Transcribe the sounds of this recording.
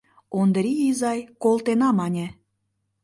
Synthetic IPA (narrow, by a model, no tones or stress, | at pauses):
ond̪ɾʲiizɑjkolt̪enɑmɑnʲĕ